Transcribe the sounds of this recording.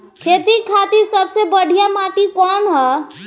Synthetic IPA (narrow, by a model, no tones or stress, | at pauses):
kʰeːt̪ikʰat̪iɾsəbsebəɽ̤ʱijamaʈikɔnɦɔ